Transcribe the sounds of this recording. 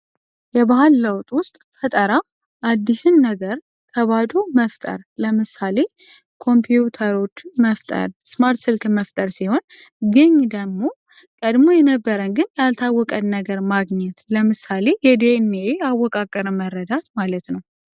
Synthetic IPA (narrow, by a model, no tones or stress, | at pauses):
jɛbahɨlːəwt̪ʼwʊst̪ʼfət̪ʼəɾa | ʔad̪ːisɨnːəɡəɾ | kʰəβad̪uməft̪ʼə̰ɾləmɨsale̞ | kʰo̞mpʰjjut̪ʰəɾo̞t͡ʃːməft̪ʼə̰ɾsmaɾt̪sɨlkməft̪ʼəɾsiho̞n | ɡɨɲːd̪əmo̞ | kʼəd̪mo̞jɛnəbːəɾənɡɨnjalt̪ʰawːɔkʼəd̪nəɡəɾmaɡɲɛt̪ləmɨsale̞jɛd̪eneeawːɔkʼakʼːəɾəməɾːəd̪at̪malət̪nəw